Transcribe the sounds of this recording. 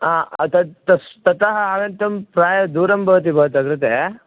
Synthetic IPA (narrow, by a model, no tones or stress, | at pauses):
aːt̪ɐt̪ɐst̪ɐt̪aɦɐaːɡɐnt̪ɐmpɾaːjɐd̪uːɾɐmbʱɐʋɐt̪̬ibɐɦɐt̪ɐɡ̪iɾɐt̪e